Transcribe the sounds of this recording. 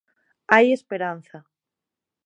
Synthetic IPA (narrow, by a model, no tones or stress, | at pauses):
ajespeɾan̟θa